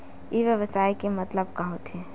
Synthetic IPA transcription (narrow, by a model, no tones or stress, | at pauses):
iʋjəʋəsaːikemɐt̪ləb̚kaɦot̪ʰeː